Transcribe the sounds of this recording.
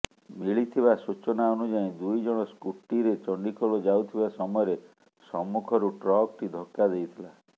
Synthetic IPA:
miɭit̪ʰibasut͡ʃɔnaonud͡ʒaĩd̪ujd͡ʒɔɽ̃ɔskuʈːiɾet͡ʃɔɳɖikʰoɭod͡ʒawt̪ʰibasɔmɔjɔɾe | sɔmːukʰɔɾuʈɾɔk̚ʈid̪ʱɔkːad̪ejt̪ʰila

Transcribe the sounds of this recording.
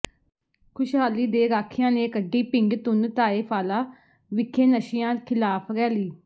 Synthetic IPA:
kʰʊʃɦaːliːd̪eːɾaːkʰːɪjãːneːkəɖːiːpɪŋɡt̪ʊnt̪aːeːpʰaːlaː | ʋɪkʰːeːnəʃɪjãːkʰɪlaːpʰɾɛːliː

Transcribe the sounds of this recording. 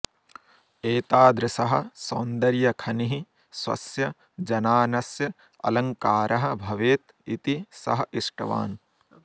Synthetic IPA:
eːt̪aːd̪ɾɐsɐɦɐ̆soːnd̪ɐɾjɐkʰɐniɦi | swɐ̰sjɐ | d͡ʒɐnaːnɐsjɐ | ɐ̰lɐŋkaːɾʔɐɦɐ̆bʱɐʋeːt̪ | it̪isɐ̰ɦɐ̆ʔiʂʈɐ̰ʋa̰ːn

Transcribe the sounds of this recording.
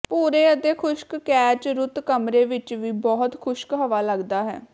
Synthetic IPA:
puːɾeːət̪eːkʰʊʃkkɛːt͡ʃɾʊt̪kəmɾeːʋɪt͡ʃʋiːbɔːt̪kʰʊʃkɦəʋaːləɡd̪aːɦɛ̰ː

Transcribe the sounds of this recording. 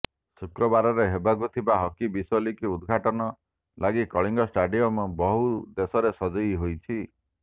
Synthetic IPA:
sukɾɔbaɾɔɾeɦebaɡut̪ʰibaɦɔkibisɔlikiud̪ɡʱaʈɔnɔ | laɡikɔɭiŋɡɔsʈaɖijɔmbɔɦud̪esɔɾesɔd͡ʒɔjɦojt͡ʃʰi

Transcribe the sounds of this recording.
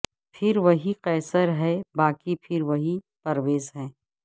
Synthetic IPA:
pʰɪɾʋɐɦiqɛːsəɾɦɛbaːkipʰɪɾʋɐɦi | pɐɾʋeːzɦɛ̃ː

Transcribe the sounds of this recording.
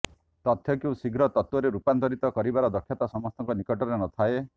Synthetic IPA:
t̪ɔt̪ʰːjɔkew̃siɡɾɔt̪ɔt̪wɔɾeɾupant̪ɔɾit̪ɔkɔɾibaɾɔd̪ɔkʰːjɔt̪ɔsɔmɔst̪ʰɔŋkɔnikɔʈɔɾenɔt̪ʰae

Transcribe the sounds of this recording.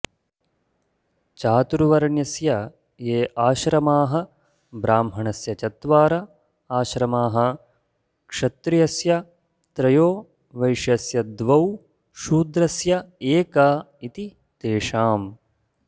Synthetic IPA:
t͡ʃaːt̪uɾuʋɐɾɐɳjɐsjɐ | jeːʔaːʃɾɐmaːɦɐ̆ | bɾaːmɦɐɳɐsjɐt͡ʃɐt̪ʋaːɾɐ | aːʃɾɐmaːɦɐ̆ | kʂɐt̪ɾijɐsjɐ | t̪ɾɐjoː | ʋɐjʂjɐsjɐd̪ʋɐw | ʃuːd̪ɾɐsjɐeːkɐː | it̪i | t̪eːʂaːm

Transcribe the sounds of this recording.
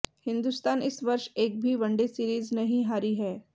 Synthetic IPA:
hɪ̃nd̪ust̪aːnɪsʋɐɾʃeːk̚bʱiʋɐ̃ɳɖesiːɾiːznɐɦĩɦaːɾiɦɛː

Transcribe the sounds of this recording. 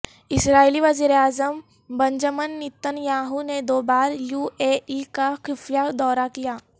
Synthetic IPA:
ɪsɾaːiliʋɐziːɾeaːzəm | bɐ̃ɲd͡ʒəmənːɪt̪ːənjaːɦuned̪oːbaːɾjuːeːʔikaxɪfjad̪ɔːɾakijaː

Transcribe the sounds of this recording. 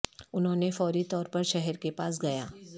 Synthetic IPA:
ʊnɦõːnefɔːɾit̪ɔːɾpɐɾʃɛɦɛɾkepaːs̬ɡɐja̰ː

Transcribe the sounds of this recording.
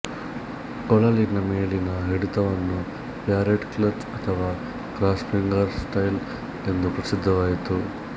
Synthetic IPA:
kɔɭɐlinɐmeːɭinɐɦeɽut̪ɐʋɐnːu | pjaːɾeʈklɐ | ɐt̪ʰɐʋaː | kɾaːsfʰiŋɡɐɾsʈɐjl | e̞nd̪upɾɐsid̪ʱːɐʋaːjit̪u

